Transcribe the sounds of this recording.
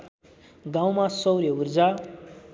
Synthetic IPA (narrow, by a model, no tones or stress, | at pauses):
ɡãw̃masʌwɾjʌurd͡za